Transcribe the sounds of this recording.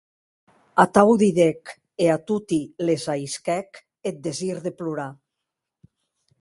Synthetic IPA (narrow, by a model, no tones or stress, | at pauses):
at̪awðiðek | eat̪ut̪ilezajskɛk | et̪̚d̪eziɾðepluɾa